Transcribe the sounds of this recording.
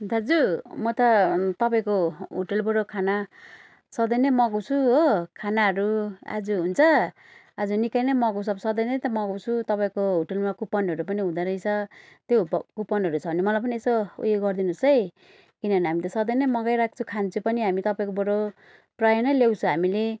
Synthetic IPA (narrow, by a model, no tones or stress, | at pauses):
d̪ʱʌd͡zumʌt̪ʌt̪ʌpaĩkoɦuʈelboɽokʰana | sʌd̪ʌjnʌmʌɡʌwt͡sʰuɦokʰanaɦʌɾua̰d͡zuɦunt͡sʰʌ | ad͡zunikajnʌmʌɡows̬ʌbsʌd̪ʌjnʌt̪ʌmʌɡawt͡sʰut̪ʌpaĩkoɦoʈelmakupʌnɦʌɾupʌniɦũd̪aɾʌjt͡sʰʌ | t̪jokupʌnɦʌɾut͡sʰʌunimʌlajp̬ʌniesoṵjoɡʌrd̪inusʌj | kinʌniɦamit̪ʌsʌd̪ʌjnʌjmʌɡajɾak̚ʰt͡sʰukʰant͡sʰupʌniɦamit̪ʌpaĩkoboɽo | prajʌnʌjljawt͡sʰuɦamile